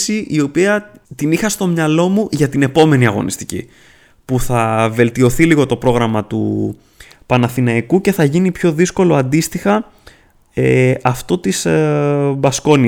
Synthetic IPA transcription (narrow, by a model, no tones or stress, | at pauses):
siʔio̞piɐt̪inixɐst̪o̞mɲɐlo̞muʝɐt̪ine̞po̞me̞niɐɣo̞̰nḭst̪i̥cḭ | puθɐve̞lt̪io̞θiliɣo̞t̪o̞pɾo̞ɣɾɐmɐt̪ṵ | pɐnɐθinɐikuce̞θɐʝinipço̞ðisko̞lo̞ɐnd̪ist̪ixɐ | eɐft̪o̞t̪is | bɐsko̞ni